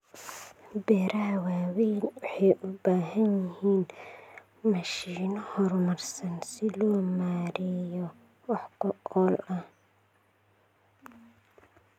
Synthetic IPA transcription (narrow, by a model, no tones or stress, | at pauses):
bɛːɾaːwaːwijnwɑħɑjʔʊbaːɦɐnjɪɦiːn | mɐʃiːnɔhɔrmɐrsɐnsɪlɔːmaːɾɪjɔ | wɑħkʰʊʔɔːlɐh